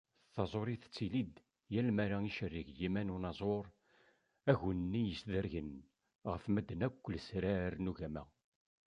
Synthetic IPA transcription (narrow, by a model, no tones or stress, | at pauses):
θɑzˤoɾiθt͡sːilid̪ | jælmæɾaiʃərːɪʝjimænunɑzˤoɾˤ | æʝənnːijəsðəɾʝən | ʁəfmæd̪ːənækʷːəlsɾaɾnuʝæmæ